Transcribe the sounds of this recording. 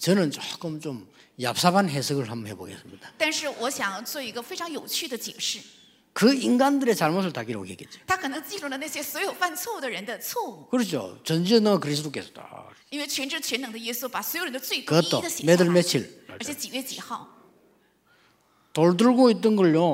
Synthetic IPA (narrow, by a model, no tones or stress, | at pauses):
t͡ɕʌnɯnt͡ɕok͈ɯmt͡ɕom | ja̰p̚sʰabanɦesʰɯɡɯɭɦambheboɡes͈ɯmɲid̥ḁt̪anʂɻ̩wɔɕjɑŋt͡swɔiɡəfeɪʈ͡ʂʰɑŋjoʊt͡ɕʰyd̪ət͡ɕjɛʂɻ̩ | kɯiŋɡandɯɾet͡ɕaɭmos̬ʰɯɭt̪aɡiɾo̰kʰekːet͡ɕo̥t̪ʰakʰɤnəŋt͡ɕilulənaɕjɛswɔjoʊfant͡sʰwɔud̪əɻənd̪ət͡sʰwɔukɯɾɯt͡ɕʰo̰t͡ɕʌnd͡ʑiʌnɯŋakɯɾis̬ʰɯt̪ʰok̬esʰo̥ta̰ | inweɪt͡ɕʰɥɛnʈ͡ʂɻ̩t͡ɕʰɥɛnɤŋd̪əjɥɛsupaswɔjoɻənd̪ət͡sweɪt̪t̪͈ːod̪əɕɛmed̪ɯɭmet͡ɕʰilə˞t͡ɕʰɛt͡ɕiɥɛt͡ɕḭxɑʊ | t̪oɭd̬ɯɭɡoit͈ːənɡʌɭjo